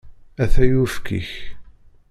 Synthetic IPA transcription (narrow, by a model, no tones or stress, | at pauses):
æθæjufkḭç